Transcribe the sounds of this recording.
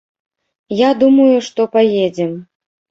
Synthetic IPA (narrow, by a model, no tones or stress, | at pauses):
jad̪umɐjuʂt̪ɔpajed͡zʲɛm